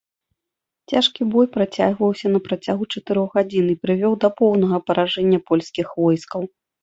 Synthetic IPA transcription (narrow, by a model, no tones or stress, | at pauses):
t͡sʲaʂkʲibɔjpɾat͡sʲaɣvɐwsʲɐnɐpɾɐt͡sʲaɣut͡ʂɐt̪ɨɾɔɣɣad͡zʲinipɾɨvʲɔwd̪ɐpɔwnɐɣɐpɐɾʔaʐɛnʲːɐpɔlʲsʲkʲixvɔjskɐw